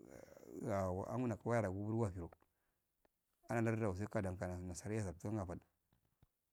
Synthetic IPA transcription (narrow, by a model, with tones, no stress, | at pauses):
a̰˨a̰˦ŋu˦na˨ka˨wa˦ja˦ɾa˨ɡu˦bu˦ɾwa˦˨fi˨ɾo˨ | a˦na˨la˦ɾda˨u˨s̬a˦ka˨da˨ŋ˨ka˨na˨na˨sa˨ɾi˦ja˦s̬a˨ɾtu˦ka˦ŋɡa˨fa˨d